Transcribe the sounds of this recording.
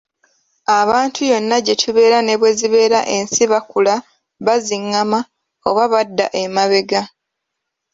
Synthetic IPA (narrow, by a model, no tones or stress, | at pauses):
aβaːntʰujo̞nːaɟe̞tʰuβe̞ːɾane̞βwe̞ziβe̞ːɾaʔe̞nsiβakula | βaziŋːama | oβaβadːaʔe̞maβe̞ɡa